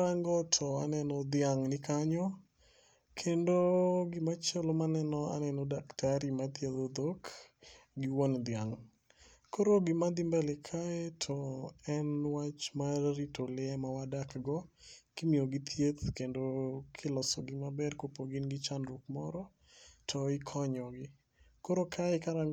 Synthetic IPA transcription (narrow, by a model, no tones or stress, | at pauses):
ɾaŋɡɔtʰɔanɛnɔd̪ɪjaŋnɪkaɲɔ | kʰendoɡɪmat͡ʃelomanɛnɔa̰nɛnɔdaktaɾimat̪jed̪od̪ok | ɡɪwond̪ɪaŋ | koɾoɡɪmad̪ɪmbɛlɪkʰaɛtʰɔɛnwat͡ʃmaɾitolɪɛmawadakɡɔkɪmioɡɪt̪ʰjet̪kendokʰɪlɔsɔɡɪmabɛrkopoɡɪnɡɪt͡ʃanɾukmɔ̰ɾɔ | tʰɔɪkʰɔɲɔɡɪ | koɾokʰaɛkaɾa